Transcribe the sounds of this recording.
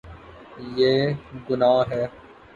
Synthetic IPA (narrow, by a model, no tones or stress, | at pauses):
jeːɡʊnaːɦɛː